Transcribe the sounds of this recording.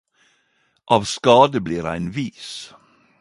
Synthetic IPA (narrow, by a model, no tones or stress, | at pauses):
ʔɑːʋskɑːd̪əbliːɾæ̰ɪnʋiːs